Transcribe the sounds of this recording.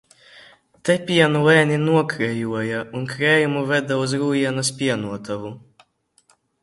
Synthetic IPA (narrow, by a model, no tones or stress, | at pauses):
t̪ɛpʲiɛnulɛːnʲinuɔkɾɛjuɔjaunkɾɛːjumuvɛd̪auzɾuːjiɛnaspʲiɛnuɔt̪avu